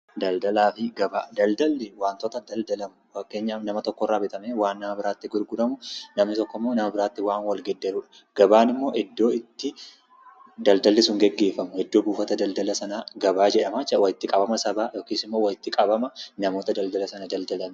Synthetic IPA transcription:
d̪ɐld̪ɐlaːfɪɡɐbaːd̪ɐld̪ɐlːɪwaːnt̪ɔt̪ɐd̪ɐld̪ɐlɐmʊfɐkːe̞ːɲːaːfnɐmɐt̪ɔkːɔrːaːbɛt̪ɐmeːwaːnːɐmɐbɪɾaːt̪ːɪɡʊɾɡʊɾɐmʊnɐmnɪt̪ɔkːɔmːo̞ːnɐmɐbɪɾaːt̪ːɪwaːnwɐlɡɛd̪ːɛɾuᶑɐ̥ | ɡ̥ɐbaːnɪmːo̞ːʔɛd̪ːo̞ːɪt̪ːɪ | d̪ɐld̪ɐlːɪsʊŋɡɛɡːeːfɐmʊhɛd̪ːoːbuːfɐt̪ɐd̪ɐld̪ɐlɐsɐnaːɡɐbaːd͡ʒɛᶑɐmat͡ʃːɐwɐjɪt̪ːɪkʼɐbɐmɐsɐbaːjoːkiːsɪmːo̞ːwɐjɪt̪ːɪkʼɐbɐmɐnɐmo̞ːt̪ɐd̪ɐld̪ɐlɐsɐnad̪ɐld̪ɐlɐm

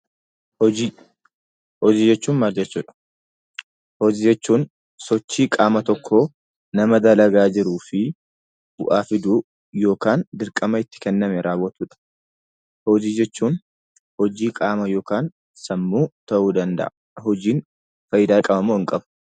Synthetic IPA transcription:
hɔd͡ʒiː | hɔd͡ʒiːd͡ʒɛt͡ʃːuːnmaːld͡ʒɛt͡ʃːuːᶑɐ̥ | hɔd͡ʒiːd͡ʒɛt͡ʃːuːn | sɔt͡ʃːiːkʼaːmɐt̪ɔkʰːoː | nɐmɐd̪ɐlɐɡaːd͡ʒɪɾuːfɪ | bʊ̰ʔaːfɪd̪uː | jo̞ːkaːnd̪ɪɾkʼɐmɐɪt̪ːɪ̥kɛnːɐmɛɾʔaːwːɐt̪uːᶑɐ̥ | hɔd͡ʒiːd͡ʒɛt͡ʃːuːn | hɔd͡ʒiːkʼaːmɐjo̞ːkaːn | sɐmːuːt̪ɐʔuːd̪ɐnd̪ɐ̰ʔɐ | hɔd͡ʒiːn | fɐjɪd̪aːkʼɐbɐmːoːɪŋkʼɐbʊ̥

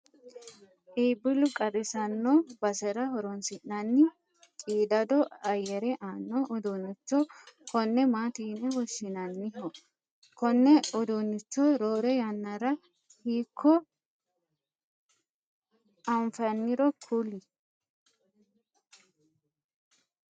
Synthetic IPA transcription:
ʔiːbɪlʊkʼɐrɪsɐnːobɐsɛɾɐhɔɾɔnsɪnːɐnːɪ | t͡ʃʼiːd̪ɐd̪ɔɐjɛɾɛʔaːnːoʔɔd̪unɪt͡ʃːɔkɔnːɛmaːt̪iːnːɛhɔʃːɪnɐnːɪɦɔ | kɔnːɛɔd̪unɪt͡ʃːɔɾoːɾɛjɐnːɐɾɐ | hiːkʰːɔ | ɐɱfɐnːɪɾɔkʰʊlɪ

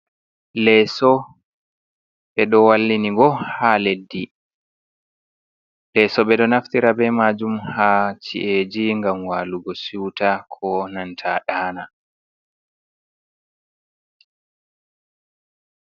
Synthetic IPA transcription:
lɛːsɔ | ɓɛɗɔwalːiniɡɔhaledːi | lɛːsɔɓɛɗɔnaftiɾabɛmaːd͡ʒumhat͡ʃḭʔed͡ʒiŋɡamwaluɡɔsuwtakʰɔnantʰaɗaːna

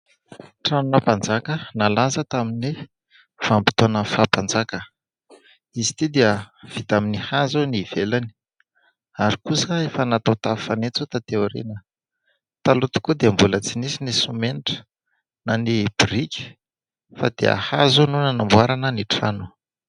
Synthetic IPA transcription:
ʈ͡ʂanunapand͡zakənalazət̪amini | fampi̥t̪onəfapand͡zakə | izi̥t̪id̪eəv̥it̪aminihazoniv̥elani̥ | aɾikusəefanat̪awt̪afanet͡sot̪at̪euɾḛnə | t̪alut̪u̥kud̪embulət͡sinisinisumeniʈ͡ʂə̥ | nanib̥irikʲi̥ | fa̰d̪ḛa̰hazonunənambuaɾanəniʈ͡ʂanu̥

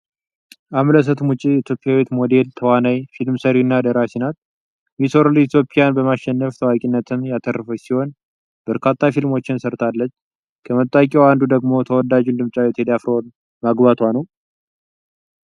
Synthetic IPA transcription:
ʔamləs̬ət̪mut͡ʃʼit̪ʰjo̞pʼijawit̪mo̞d̪e̞lt̪ʰəwanajfilmsəɾinːad̪əɾasinat̪̚ | misoɾlit̪ʰjo̞pʼɪjanbəmaʃːɛnːəft̪ʰəwakʼinːət̪ʰɨmjat̪ʰərːfəsiho̞n | b̥əɾkʰat̪ʰːafilmo̞t͡ʃːɪnsəɾt̪ʰalːət͡ʃː | kʰəmət̪ʼːakʼɛwand̪ud̪əɡmo̞t̪ʰəwɔdad͡ʒund̪ɨmt͡ʃʼawɛt̪ʰed̪afɾon | maɡbat̪ʰwanəw

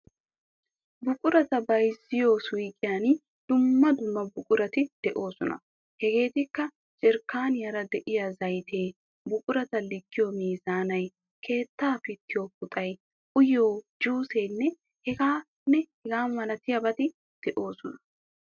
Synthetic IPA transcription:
bʊkʼʊɾɐt̪ɐbɐjsːɪjoːswiːkʼɪjan | d̪̥ʊmːɐd̪ʊmːɐbʊkʼʊɾɐt̪ɪd̪̥ɛʔo̞ːsɔnɐ̰ | hɛɡe̞ːt̪ɪkːɐ | t͡ʃʼɪɾkːaːnɪjɐɾɐd̪ɛʔɪjɐzɐjt̪ʰe̞ː | bʊkʼʊɾɐt̪ɐlɪɡːɪjomiːzaːnɐj | kʰe̞ːt̪ːaːfɪt̪ːɪjoːk̚ʊt̪ʼɐj | ʔʊjoːd͡ʒuːseːnːɛ | hɛɡaː | nːɛhɛɡaːmɐlɐt̪ɪjɐbɐt̪ɪ | d̪̥ɛʔo̞ːsɔnɐ̥

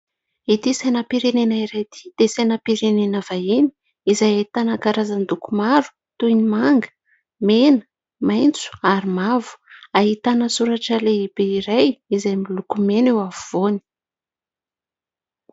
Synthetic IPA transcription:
it̪isanapiɾenenəiɾajt̪ʰi̥d̪̥esenapiɾenenəvaini̥ | izajet̪anakaɾazand̪ukumaɾu̥ | t̪ujnimaŋɡə̥ | menə̥ | majnt͡su̥aɾimavu̥aɦit̪anəsuɾaʈ͡ʂəleibeiɾajizajmilukumenewavuvoni̥

